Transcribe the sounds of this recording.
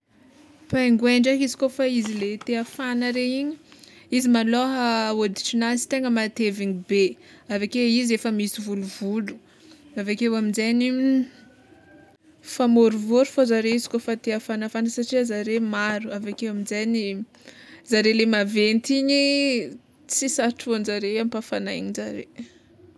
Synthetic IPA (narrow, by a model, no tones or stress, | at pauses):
pajŋɡweɳɖ͡ʐakizi̥kofaizilet̪eafanəɾeiɲiizimaloɦod̪i̥ʈ͡ʂinazi̥t̪eŋɡəmat̪eviɲibe | avakeizefəmisivuluvulu̥ | avakewaminzeni | famoɾuvoɾufozaɾeizi̥kofat̪eafanafansaʈ͡ʂiəzaɾemaɾuavakewaminzeni | zaɾelemavent̪iɲi | t͡sisaʈ͡ʂuanzaɾeampafanaiɲizaɾḛ